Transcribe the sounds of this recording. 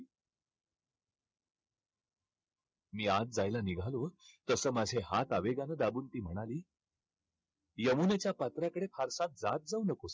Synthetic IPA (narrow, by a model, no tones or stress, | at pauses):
miːat͡s̚d͡zajlaniɡʱalot̪əsəːmad͡zʱeɦat̪aʋeɡanəd̪abuːnt̪iːm̤əɽ̃aliː | jəmunet͡ɕjapət̪ɾjakəɽepʰaɾsãt̪̚d͡zat̪̚d͡zaunəkos